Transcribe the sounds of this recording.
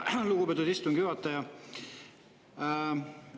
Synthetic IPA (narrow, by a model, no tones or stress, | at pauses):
luɡubpet̪ːud̪ist̪uŋɡ̥juɑt̪ːˑɑjɑ